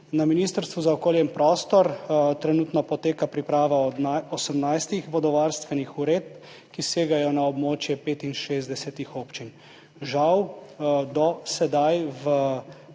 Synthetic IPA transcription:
naminiːst̪əɾst̪ʋuzaɔkoːljɛimpɾɔːst̪ɔɾt̪ɾɛnut̪nɔpɔt̪eːkapɾipɾaːʋaɔsəmnajst̪ixʋɔd̪ɔʋaɾst̪ʋɛnixuɾeːt̪̚p | kiseːɡajɔnaɔbmoːt͡ʃjɛpeːt̪inʃeːzd̪ɛsɛt̪ixoːpt͡ʃin | ʒawd̪ɔsɛd̪ajʋə

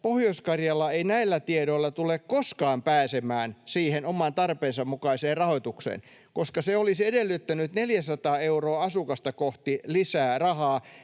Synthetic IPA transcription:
pohjoiskɑrjɑlːɑeinæilːæt̪ieɾoilːɑt̪ulekkoskɑːmpæːsemæːnsiːhenomɑnt̪ɑrpeːnsɑmmukɑiseːrrɑhoit̪uksḛːn | koskɑseolisedelːyt̪ːænyt̪neljæsɑt̪ɑːeuroːɑsukɑst̪ɑkoht̪ilisæːrɑhɑː

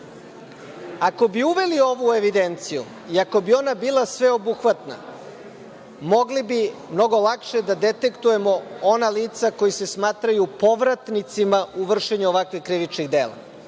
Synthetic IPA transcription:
ako̞biuʋe̞lio̞ʋueʋid̪ent̪sijṵ | iako̞bio̞nabiːlasʋe̞o̞buxʋat̪na̰ | mo̞ɡlibimno̞ɡo̞lakʃe̞d̪ad̪e̞t̪e̞kt̪uje̞mo̞onaliːt̪sako̞jise̞smaːt̪ɾajupo̞ʋɾat̪nit̪simauʋr̩ʃeɲuoʋakʋixkɾiʋit͡ʃniɣd̪e̞ːla̰

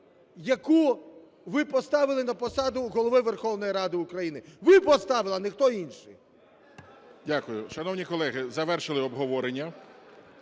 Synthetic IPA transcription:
jɐku | ʋɪpɔst̪ɑʋɪlˠɪnɐpɔsɑd̪ʊɦɔlˠɔʋɪʋerxɔwnɔjiɾɑd̪ɪʊkɾɐjinɪʋɪpɔst̪ɑʋɪlˠɐnɪxt̪ɔinʃɪ̰j | dʲakʊjʊʃɐnɔwnʲikɔlˠɛɦɪzɐʋɛrʃɪlˠɪɔbɦɔʋɔɾenʲːɐ

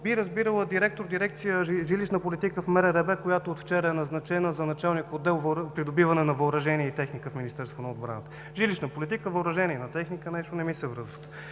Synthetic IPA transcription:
biɾɐzbiɾəlˠəd̪iɾɛk̚t̪oɾd̪iɾɛk̚t̪sijəʒiliʃnəpolit̪ikəfmɛɾɛɾɛbɛkojat̪oot̪ft͡ʃɛɾəɛnɐznɐt͡ʃɛnəzɐnɐt͡ʃalˠniəkod̪ːɛlˠvɾpɾid̪obivɐnɛnɐvɐʊɾɐʒɛniɛit̪ɛxnikəfminist̪ɛɾst̪vonɐod̪̚bɾa̰nət̪ə̥ | ʒiliʃnəpolit̪̬ikəvəʊɾɐʒɛniɛnɐt̪ɛxnikənɛʃt̪onɛmisɛvɾɤzvət̪

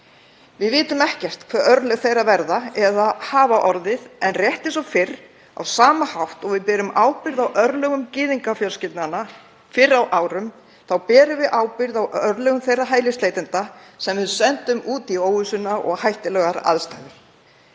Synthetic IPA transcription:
vɪðvɪːt̪ʏmɛhcɛr̥t̪kʰvɛɾœɾlɛɣθejɾavɛɾðaɛðahaːvaʔɔɾðɪðɛnrjɛht̪ɪnsɔfɪɾ | a̰wsaːmahawht̪ɔɣvɪðpɛːɾʏmaːwpɪɾðawʔœɾlœɣʏmcɪːðiŋkafjœlscɪlt̪nana | fɪrawʔaːwɾʏm | θawpɛːɾʏvɪʔaːwpɪɾðawœɾlœɣʏmθejraɦaːjlɪst̪eːjt̪ɪnt̪asɛmvɪðsɛnt̪ʏmuːt̪ioːwʏsʏnaʔɔ̰ɣhajht̪ɪlɛːɣaɾa̰ðst̪ajðɪɾ̥

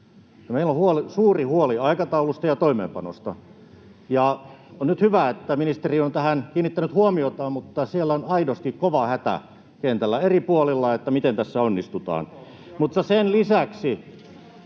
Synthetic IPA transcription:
meilːohuolisuːrihuoliɑikɑt̪ɑulust̪ɑjɑt̪oimḛːmpɑno̰st̪ɑ | jɑonnyt̪hyʋæet̪ːæminist̪eriont̪æhænkiːnːit̪ːænyt̪huomiot̪ɑmut̪ːɑsielːæonɑidost̪ikkoʋɑhæt̪æ̰ | kent̪ælːæeripuolilːɑet̪ːæmit̪ent̪æsːæonːist̪ut̪ɑ̰ːn | mut̪ːɑsenlisæksi

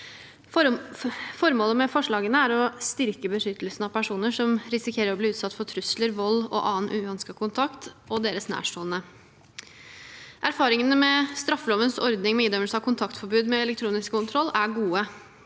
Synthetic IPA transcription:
fɔɾmoːləmɛfɔʂɭɑːɡənəæɾɔst̪ɪɾkəbəʂʏt̪əlsn̩ɑʋpʰæʂuːnəʂɔmɾɪsɪkʰeːɾəɾɔbliːʉːt̪sɑt̪ːfɔt̪ʰɾʉsləɾʋɔlːɔ̰ʔɑːnʔʉːɑnskɑkʰʊnt̪ʰɑkt̪ʔɔd̪eːɾəsnæ̰ːʂʈoːlnə | ʔæɾfɑːɾɪŋənəmɛst̪ɾɑfːəlɔʋənsɔɾd̪nɪŋmɛiːd̪œməlsɑːkʰʊnt̪ʰɑkt̪fɔɾbʉːd̪mɛɛlɛk̚t̪ʰɾuːnɪskkːʊnt̪ʰɾɔlːæɡuːə

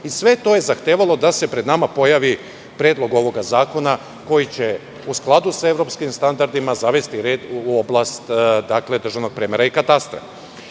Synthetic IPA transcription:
isʋe̞t̪o̞je̞zaxt̪eːʋalˠo̞d̪ase̞pɾe̞d̪namapo̞jaʋi | pɾed̪lo̞ɡo̞ʋo̞ɡazaːko̞na | ko̞jit͡ɕe̞ | usklˠad̪usae̞vɾo̞pskimst̪and̪aɾd̪imazaʋe̞st̪iɾed̪uo̞blˠast̪d̪akle̞d̪r̩ʒaʋno̞ɡ̚pɾemeɾaikat̪ast̪ɾḛ

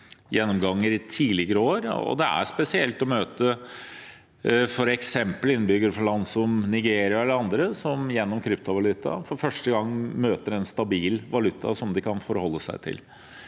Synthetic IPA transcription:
jɛnːɔmɡɑŋːəɾɪt̪ʰiːlɪɡəɾəoːɾɔ̰d̪ɛæ̰spɛsɪɛlt̪ɔmøːt̪ə | fɔɾɛksɛmpəlɪnːəbʏɡəɾfɔɭɑnsɔmnɪɡeːɾɪɑɛlːəɾɑnd̪ɾəsɔmjɛnːɔmkʰɾʏpt̪ʊʋɑlʉt̪ʰːɑ̰fɔɾfœʂʈəɡɑŋːmøːt̪əɾɛnst̪ɑbiːlʋɑlʉt̪ʰːɑ̰sɔmd̪ɪkʰɑnfɔɾhɔlːəsæ̰ɪt̪ʰɪ̰l

